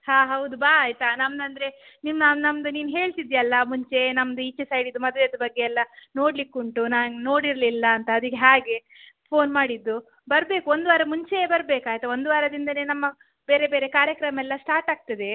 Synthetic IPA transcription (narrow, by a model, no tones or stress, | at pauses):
haːɦɐwd̪ubaːjt̪ɐnɐmd̪ɐnd̪ɾe̞nimnaːnnɐmd̪uniːnɦe̞ːɭt̪id̪jɐlːɐmuɲt͡ʃe̞nɐmd̪uit͡ʃːɐsɐjɖid̪ːumɐd̪ʋeɐd̪ɐbɐɡːe̞ɛlːɐno̞ːɽlikːuɳʈunaːnno̞ːɽiɾɐlilːɐːnt̪ɐːd̪ikːeɦaːɡe̞ | pʰo̞ːnmaːɽid̪ːu | bɐɾbeːkuo̞nd̪uʋaːɾɐmuɲt͡ʃe̞bɐɾbe̞ːkaːjt̪ɐo̞nd̪uʋaːɾɐd̪ind̪ɐnenɐmːɐ | be̞ːɾe̞be̞ːɾe̞kaːɾjɐkɾɐmɛlːɐsʈaːɾʈaːɡ̚t̪ɐd̪e̞